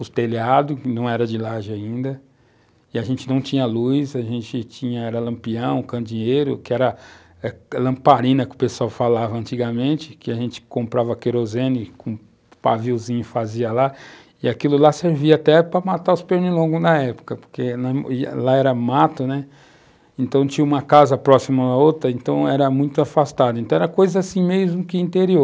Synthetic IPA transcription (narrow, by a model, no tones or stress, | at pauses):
ʊt̪eliad̪ʊkɪnɐ̃w̃ɛɾɐd͡ʒɪlaʒɪaĩnd̪ɐ | ɪaʒẽnt͡ʃɪnɐ̃w̃t͡ʃĩɲɐlujzaʒẽnt͡ʃɪt͡ʃĩɲɐɛɾɐlɐ̃mpiɐ̃w̃kɐ̃d͡ʒĩɲejɾʊ̰kɪɛɾɐ | ɛlɐ̃paɾĩnɐkɪʊpesuawfalavɐɐ̃nt͡ʃiɡɐmẽnt͡ʃɪkɪaʒẽnt͡ʃɪ̥kõmpɾavɐkeɾozẽnɪkõ | paviwzĩɲʊfaziɐla | ɪakilʊlaseɾviɐat̪ɛpɾɐmat̪aʊspeɾnilõɡʊznɐɛpʊ̥kɐpo̥ɾkenɐḭlaɛɾɐmat̪ʊnɛ | ẽnt̪ɐ̃w̃t͡ʃĩɲɐ̃ũmɐkazɐpɾɔsimɐaot̪ɾɐẽnt̪ɐ̃w̃ɛɾɐmũj̃t̪ʊafast̪ad̪ɐẽnt̪ɐ̃ɛɾɐkojzɐasĩmezmʊkɪĩnt̪eɾioɾ